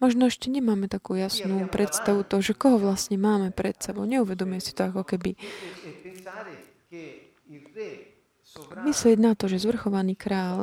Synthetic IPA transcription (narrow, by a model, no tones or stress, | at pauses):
mɔʒnɔɛʃcɛɲɛmaːmɛt̪akuːjasnuːpɾɛt̪st̪aʋut̪ɔɦɔʒɛkɔɦɔʋlasɲɛmaːmɛpɾɛt̪sɛbɔʊɲɛuʋɛd̪ɔmujɛsi̥t̪ɔakɔkɛbi | mislɪɛɟnat̪ɔʒɛzʋr̩xɔʋaniːkɾaːl